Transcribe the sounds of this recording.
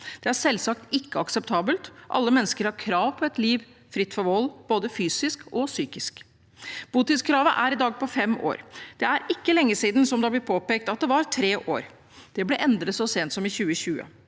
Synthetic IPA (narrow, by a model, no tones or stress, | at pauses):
d̪̥ɛæɾsɛlsɑkt̪ɪkːəɑksɛp̚t̪ʰɑːbəlt̪ʔɑ̰lːəmɛnːəskəɾhɑɾkʰɾɑːʋpʰɔɛt̪liːʋ | fɾɪt̪ːfɔɾʋɔlːb̥oːd̪əfyːsɪskʰɔsyːkɪsk | b̥uːt̪ɪskʰɾɑːʋəʔæɾɪd̪ɑːɡ̚pʰɔfɛmo̰ːɾd̪̥ɛæɾɪkːəlɛŋːəsiːd̪nsɔmd̪ɑblɛpʰoːpeːk̚t̪ɑt̪̚d̪ɛʋɑɾt̪ʰɾeːʔo̰ːɾ | d̪̥ɛblɛʔɛnd̪ɾət̪sɔseːnt̪sɔmɪçʉːəɕʉːə̰